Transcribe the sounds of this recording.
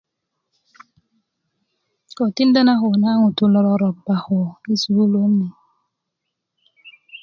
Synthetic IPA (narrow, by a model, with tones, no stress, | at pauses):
kɔ˨ti˦n˦da˦na˦xo˨na˦ŋu˨tu˨lɔ˨ɾɔ˦ɾɔ˨ba˨ho˨i˦su˨˦lo˦mi˨